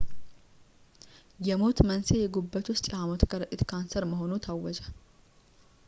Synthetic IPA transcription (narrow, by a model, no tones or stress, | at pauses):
jɛmo̞t̪mənsejɛɡubːət̪ʰʊst̪ʼɛhamot̪kʰəɾɨʔʼɪt̪kʰansəɾməɦo̞nut̪ʰawːɔd͡ʒə